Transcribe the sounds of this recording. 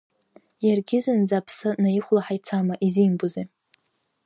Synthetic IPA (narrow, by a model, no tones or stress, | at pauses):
jarɡʲɪzɨnd͡zapʰsɨnajiχʷlaħajt͡sʰamaʔizimbuze